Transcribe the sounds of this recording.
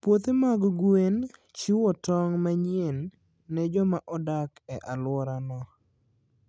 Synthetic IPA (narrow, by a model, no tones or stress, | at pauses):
pwot̪emaɡɡwent͡ʃiwɔtɔŋmaɲjenː | ɛd͡ʒɔmaʔɔdakɛʔalwɔɾanɔ